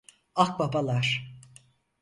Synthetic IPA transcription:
ak̚babalˠaɾ̥

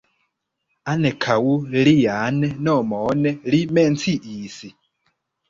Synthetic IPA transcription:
anɛkʰawulijanɛnɔmɔnɛlimɛnt͡sʰiʔiːsi

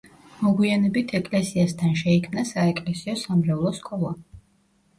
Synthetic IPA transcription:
mɔɡwianɛbit̪ʰɛkʼlɛsiast̪ʰanʃɛikʰmnasaɛkʼlɛsiɔsamɾɛlˠɔskʼɔlˠa

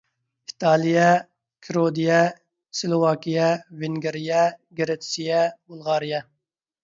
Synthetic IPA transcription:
it̪ʰɑːlˠijɛ | kʲʰɾod̪ijɛ | sɪlˠowɑːkʲijɛvɪŋɡʲeɾijɛɡeɾet̪sijɛbulˠʁɑːɾijɛ

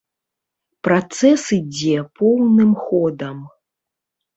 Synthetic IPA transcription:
pɾat̪sɛsɨd͡zʲɛpɔwnɨmxɔd̪ɐm

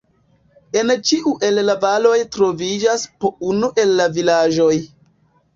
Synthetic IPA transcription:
e̞nt͡ʃiʔuʔe̞lːavalo̞jtɾo̞vid͡ʒaspounuʔe̞lːavilaʒo̞j

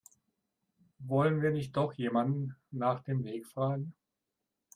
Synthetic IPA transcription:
vɔlənviːɐnɪçt̚d̥ɔχjeːmandn̩ːaːχd̥eːmveːkfʁ̥aːɡŋ̩

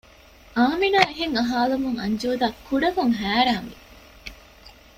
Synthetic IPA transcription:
ʔaːminaːeɦeŋɐɦaːlumuŋɐ̰ɲd͡ʒuːd̪aːkʰːuɖɐkuŋɦæːɾaːŋʋi

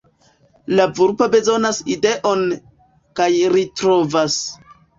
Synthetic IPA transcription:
lavuɾpobe̞zo̞naside̞ʔo̞n | kajɾitɾo̞vas

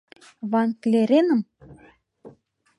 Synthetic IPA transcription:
βɑŋkleɾenə̆m

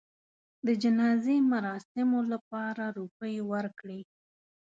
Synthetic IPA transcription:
d̪əd͡ʒɪnɑzemaɾɑsɪmolap̚ɑɾaɾupəjwəɾkɽi

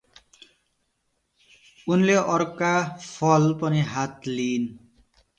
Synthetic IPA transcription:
unleʔʌɾkapʰʌlpʌniɦat̪liːn

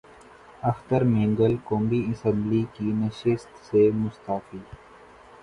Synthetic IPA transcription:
ɐxt̪əɾmẽːŋɡəlkõːmbiɪsə̃mblikinɐʃɪst̪semʊst̪aːfiː

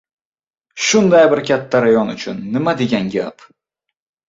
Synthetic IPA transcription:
ʃʊnd̪ajbɪɾkʲʰat̪ʰːaɾajɒnʊt͡ʃʰʊnːɪmad̪e̞ɡʲanɡʲa̰p

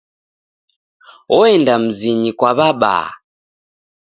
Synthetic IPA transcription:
ɔɛndam̩ziɲikwaβaɓa̰

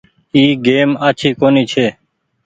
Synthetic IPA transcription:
iːɡeːmaːt͡ʃʰiːkoːniːt͡ʃʰeː

